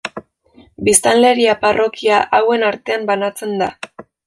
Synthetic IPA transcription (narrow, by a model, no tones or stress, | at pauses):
bist̪anle̞ɾiaparʔo̞kiaʔawe̞naɾt̪e̞ambanat͡se̞nd̪a